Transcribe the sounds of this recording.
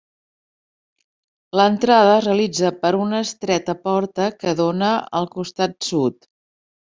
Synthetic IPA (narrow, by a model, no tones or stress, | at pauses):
lənt̪ɾað̞əreəlid͡zəpəɾunəst̪ɾɛt̪əpɔɾt̪əkəðonəəlˠkust̪at̪̚sut̪